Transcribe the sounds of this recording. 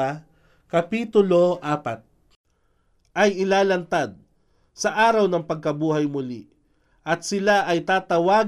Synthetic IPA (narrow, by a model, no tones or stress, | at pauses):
kɐpiːt̪ʊloʔaːpat̪̚ | ʔɐjɪlaːlɐnt̪ad̪̚ | sɐʔaːɾɐwnɐŋpɐɡ̚kɐbuːɦɐjmʊlḭ | ʔɐt̪̚sɪlaʔɐjt̪aːt̪ɐwaː